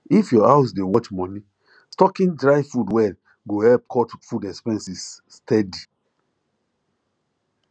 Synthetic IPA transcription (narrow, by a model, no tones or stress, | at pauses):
ifjɔaʊs̬dewɔt͡ʃmɔni | stɔkĩndɹaɪfudwɛl | ɡohɛlp̚kʰɔtfudɛkspɛ̃nsisː | tʰɛdi